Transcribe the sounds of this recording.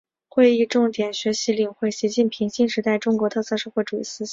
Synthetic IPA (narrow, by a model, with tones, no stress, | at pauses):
xwe˥˧ɪi˥˧ʈ͡ʂʊ˥˩ŋt̪jɛ˨˩nɕɥɛ˧˥ɕi˧˥li˨˩ŋxwe˥˩ɪɕi˧˥t͡ɕi˥˩npʰi˧˥ŋɕi˥˩nʂɻ̩˧˥t̪a˥˩ɪʈ͡ʂʊ˥ŋkwɔ˧˥t̪ʰɤ˥˧t͡sʰɤ˥˧ʂɤ˥˧xwɔ˥˩ʈ͡ʂu˨˩ḭ˥˩sɹ̩˥˩